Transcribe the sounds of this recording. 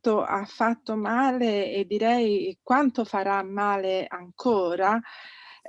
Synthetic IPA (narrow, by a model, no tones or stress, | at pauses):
t̪oʔafːat̪ːomaːleed̪ːiɾɛjkwant̪ofaɾamːaːleaŋkʰoːɾa